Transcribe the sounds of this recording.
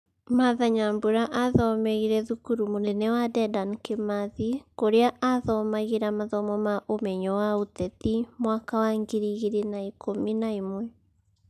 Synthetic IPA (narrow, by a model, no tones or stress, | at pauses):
maðaɲamboɾaʔaðɔmɛɣiɾɛðukuɾumonɛnɛwadɛdankemaðikoɾeaʔaðɔmaɣeɾamaðɔmɔmaʔomɛɲɔwaotɛtimwakawaŋɡiɾiɣeɾenaikʰominaimwɛ